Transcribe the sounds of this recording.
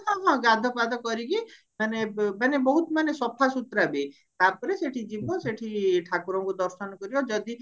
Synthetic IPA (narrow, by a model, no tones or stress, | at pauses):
ɦɔ̃ɦɔ̃ɡad̪ʱɔpad̪ʱɔkɔɾiki | manemanebɔɦut̪manesɔpʰasut̪ɾabi | t̪apɔɾeseʈʰid͡ʒibʱɔseʈʰiʈʰakuɾɔŋkud̪ɔɾsɔnɔkɔɾibɔd͡ʒɔd̪i